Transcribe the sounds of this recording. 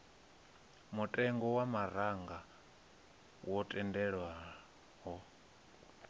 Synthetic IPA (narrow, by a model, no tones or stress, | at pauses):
mutʼɛŋɡɔwamaɾaŋɡa | wɔtʼɛndɛɺwa | ɦɔ